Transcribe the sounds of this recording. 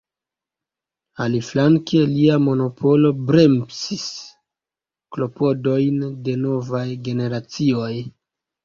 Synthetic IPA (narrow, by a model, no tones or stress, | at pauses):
aliflaŋkeliamo̞no̞pʰo̞lo̞bɾe̞mpsis | klo̞po̞do̞jnde̞no̞vajɡe̞ne̞ɾat͡sio̞j